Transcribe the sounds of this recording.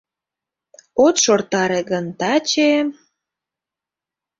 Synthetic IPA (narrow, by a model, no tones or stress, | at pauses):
ot̪ʃort̪ɑɾeɣənt̪ɑt͡ɕe